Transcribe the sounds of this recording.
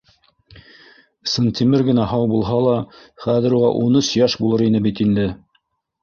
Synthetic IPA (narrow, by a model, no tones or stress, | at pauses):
səŋt̪ʲimɘɾɡɘ̆næɦɑwbulˠɦɑlˠɑχæðɘ̆ɾuʁɑʔunɵsjæʃbulˠɤɾinɘbit̪ind̪ɘ